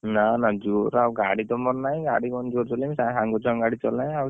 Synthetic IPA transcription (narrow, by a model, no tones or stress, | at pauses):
nanad͡ʒuɾawɡaɽit̪ɔmɔɾnaj̃ɡaɽikɔnd͡ʒuɾt͡ʃɔlimsajɦaŋɡɔt͡ʃɔŋɡaɽit͡ʃɔlajaw